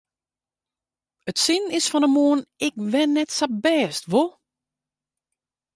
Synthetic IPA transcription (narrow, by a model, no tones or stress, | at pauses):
ətsinɪsfɔnəmoənɪkʋɛnːɛtsabɛːstʋo